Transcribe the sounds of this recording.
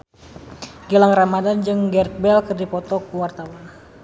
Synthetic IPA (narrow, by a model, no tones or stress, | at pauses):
ɡilaŋramadand͡ʒɨŋɡɛrt̪̚bɛlkərdipɔt̪ɔkuwart̪awan